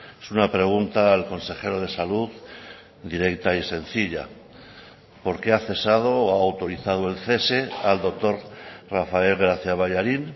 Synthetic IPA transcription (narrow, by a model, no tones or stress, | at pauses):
esunapɾe̞ɣ̞unt̪alko̞nse̞χe̞ɾo̞ð̞e̞saluð | d̪iɾe̞kt̪aise̞n̟θiʎa̰ | po̞ɾke̞aθe̞sað̞o̞ːaːwt̪o̞ɾiθað̞oe̞lθe̞se̞ald̪o̞k̚t̪o̞ɾrafae̞lɣɾaθjaβ̞aʎaɾin